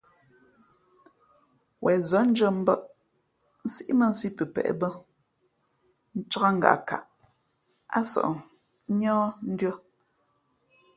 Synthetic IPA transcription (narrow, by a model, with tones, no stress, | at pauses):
wʔɛ˨zɔ˨˦n̩˦d͡ʒə˦m̩˦bə˦ʔ | n̩˦si˦ʔmə˦n˦si˦pə˨pɛ̰˨ʔbə˦ | n̩˦t͡ʃə˦ɣa˦ŋ̩˨ɡa̰˨ka̰˨ʔ | a̰˦sɔ̰˨ʔ | ɲɔ̃ː˦n̩˦dɥə˦